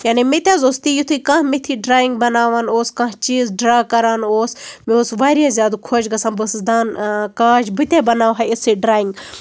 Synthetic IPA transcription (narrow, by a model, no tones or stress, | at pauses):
jaːnimet̪ʲaːzoːst̪ijut̪ʰukãɦmet̪ʰiːɖɾaːiŋɡ̚bɐnaːʋanoːskãːɦt͡ʃiːzɖɾaːkɐɾaːnoːsmeoːsʋaːɾiazʲjaːd̪ukʰoːd͡ʒɡɐsãːnbɨsd̪aːnkaːd͡ʒbɨt̪ʲebɐnaːʋɦaɪsiɖɾaːjĩŋɡ